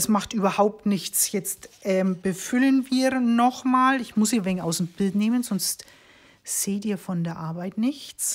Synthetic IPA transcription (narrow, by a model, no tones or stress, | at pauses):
ɛsmaχtʔyːbɐhaʊp̚tnɪçt͡sjɛt͡stʔɛːmb̥əfʏlənviːnɔχmaːlɪçmʊsiːvɛŋaʊsmb̥ɪltneːmənzɔnst | z̥eːtiːɐfɔndeːɐʔaɐbaɪtnɪçt͡s